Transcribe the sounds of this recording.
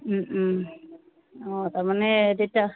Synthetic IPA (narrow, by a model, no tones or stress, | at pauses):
m̩ | ɔtaɹmanɛdewta